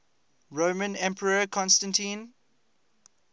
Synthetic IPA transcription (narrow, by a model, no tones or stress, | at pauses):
ɹomə̃nɛ̃mpʰəɹəkʰɔ̃nstə̃ntĩn